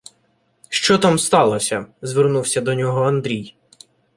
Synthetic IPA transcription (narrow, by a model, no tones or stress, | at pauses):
ʃt͡ʃɔt̪ɑmst̪ɑlˠɔsʲɐzʋernuwsʲɐd̪ɔnʲɔɦɔɐnd̪ɾʲij